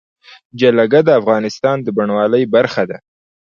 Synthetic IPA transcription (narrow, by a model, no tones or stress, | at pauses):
d͡ʒalaɡad̪əafɣɑnɪst̪ɑnd̪əbaɳwɑləjbaɾxad̪a